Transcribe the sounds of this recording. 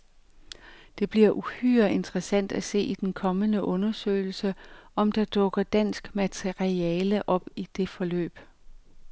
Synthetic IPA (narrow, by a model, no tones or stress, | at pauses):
d̥e̝b̥liɐ̰ʔuhy̰ɐe̝nd̥ʁəsæn̰d̥æse̝̰ːid̥enkʰɒ̽mənəʔɔ̽nɐsø̰ːɪl̩səʔɒ̽md̥ɑ̈d̥ɔ̽ɡ̥ɐd̥æn̰sɡ̥mæt͡sʰeiɛːləʔɒ̽b̥id̥e̝fɒ̽lø̰ːb̥